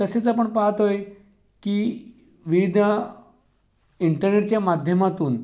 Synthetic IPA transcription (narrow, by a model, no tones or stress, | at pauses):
t̪əset͡sapəɳpaɦət̪ɦoj | kiː | ʋiʋid̪ʱə | iɳʈəɾneʈ̚t͡ɕjamad̪ʱjəmat̪uːn